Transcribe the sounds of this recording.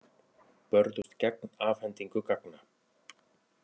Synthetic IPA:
pœɾðʏst̪cɛknaːvhɛnt̪iŋkʏkakna

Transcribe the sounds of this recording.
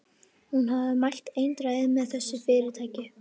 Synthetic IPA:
hunɦaðɪmajlt̪ejnt̪ɾaːjðɪmɛðθɛsːʏfɪːɾɪt̪ʰaːjcɪ

